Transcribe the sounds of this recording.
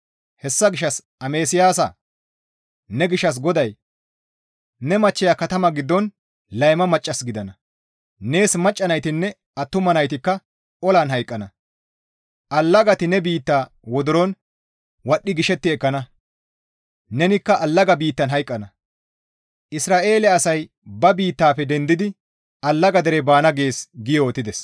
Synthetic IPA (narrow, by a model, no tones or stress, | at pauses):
hɛsːɐɡɪʃːɐs | ɐme̞ːsɪjaːs̬ɐ̰ | nɛɡɪʃːɐs̬ɡɔd̪ɐj | nɛmɐt͡ʃːɛjakɐt̪ɐmɐɡɪd̪ːɔn | lɐjmɐmɐt͡ʃʼːɐsɡɪd̪ɐnɐ | ne̞ːsmɐt͡ʃʼːɐnɐjt̪ɪnːɛ | ʔɐt̪ːʊmɐnɐjt̪ɪkːɐ | ʔɔlaːnɦɐjkʼːɐnɐ | ʔɐlːɐɡɐt̪ɪnɛbiːt̪ːaː | wɔd̪ɔɾɔn | wɐɗːɪɡɪʃɛt̪ːɪɛkːɐnɐ | nɛnɪkːɐʔɐlːɐɡɐbiːt̪ːɐnɦɐjkʼːɐnɐ | ʔɪsɾaːʔe̞ːlɪːsɐj | bɐbiːt̪ːaːpːɛd̪ɛnd̪ɪd̪ɪ | ɐlːɐɡɐd̪ɛɾɛbaːnɐɡe̞ːsɡɪjɔːt̪ːɪd̪ɛs